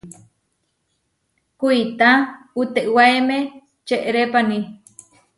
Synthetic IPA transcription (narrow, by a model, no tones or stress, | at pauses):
kuit̪a | ut̪eʔwaeme | t͡ʃeʔɾepani